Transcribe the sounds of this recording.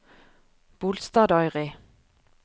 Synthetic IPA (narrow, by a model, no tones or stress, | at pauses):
b̥uːlst̪ɑːd̪ɑʏʁi